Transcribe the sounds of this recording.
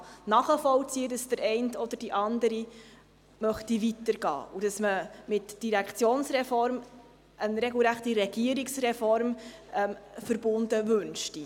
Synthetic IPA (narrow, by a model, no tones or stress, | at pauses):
nɑːχəfɔlt͡siədɑsd̥əɾɛɪntɔd̥̪əɾd̥iʔɑnd̪əɾi | mœχtivitəɾɡɑ̰ːud̥ɑsməmɪtd̥iɾɛkʰt͡sjoːnsɾɛfɔɾm | ʔənɾeɡl̩ɾæχtiɾɛɡ̥iəɾiksrɛfɔɾmɛmfəɾb̥ʊndəvɵnʃti